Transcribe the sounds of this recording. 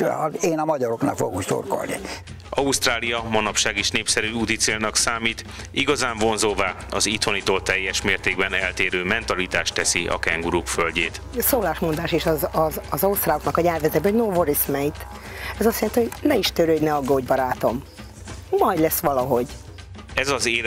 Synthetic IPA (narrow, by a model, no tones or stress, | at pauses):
ɒeːnɒmɒɟɒɾoknɒ̰kfo̰ɡukso̰rko̰lnḭ | ʔɒust̪raːlijɒmɒnɒpʃaːɡeːʃneːpsɛɾyut̪it̪seːlnɒksaːmiːt̪ | iɡɒzaːɱvo̞nzoːvaː | ɒzit̪ho̞nit̪olt̪ɛjːɛʃmeːrt̪eːɡbɛnɛlt̪eːɾøːmɛnt̪ɒlit̪aːʃt̪ɛsiɒ̰kɛŋɡuɾukfølɟeːt̪soːlaːʃmond̪aːʃeːʃɒzɒzɒzɒust̪raːoknɒkɒjɛːrvɛt̪ɛbɛoɟnoːvoɾismɛjt̪ | ɛzɒst̪jɛlɛnt̪iho̞ɟnɛiʃt̪øɾøːɟnɛɒɡoːɟbɒɾaːt̪o̞mː | ɒjd̪lɛsʋɒlɒɦo̞ɟ | ɛzɒzeː